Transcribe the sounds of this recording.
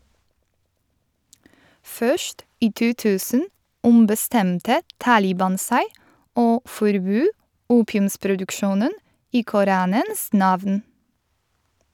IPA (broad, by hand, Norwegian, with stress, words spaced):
ˈfœʃt ˈiː ˈtuː ˈtʉːsən ʊmbəˈstɛmtə ˈtɑːlɪbɑn ˈsæɪ ˈoː fɔɾˈbøː ˈuːpɪʉmspɾʊdʉkˌʃuːnən ˈiː kʊˈɾɑːnəns ˈnɑʋn